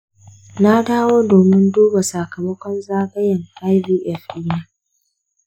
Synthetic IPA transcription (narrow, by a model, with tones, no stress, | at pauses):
na˦daː˦woː˦doː˨mɪ˦nduː˦ba˨sa˨kɐ˨mɐ˦kʷɔ˦nzaː˦ɡɐ˦jɐ˨ŋʔa˦jviː˦ʔɛ˦fi˦na˦